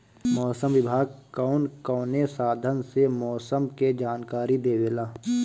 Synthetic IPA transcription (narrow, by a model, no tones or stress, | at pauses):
mɔːsəmʋɪbʱaːɡ̚kaːnkɔːnesaːd̪ʱənsemɔːsəmked͡ʒaːnkaːɾid̪eːwelaː